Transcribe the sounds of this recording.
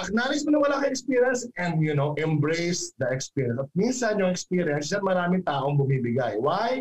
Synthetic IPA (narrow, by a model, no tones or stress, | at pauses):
ʔɐk̚naːnɪsmɐnɐwɐlaːkɐɛkspiːɹjɐnsʔɛ̃nd̪jʊnowʔɛ̃mbɾejsd̪ɐɛkspiɹjɐ̃nsɐt̪̚minsɐnjʊŋɛkspiːɾjɐnsʃɐmɐɾaːmɪŋt̪aːʔoŋbʊmiːbɪɡajwaj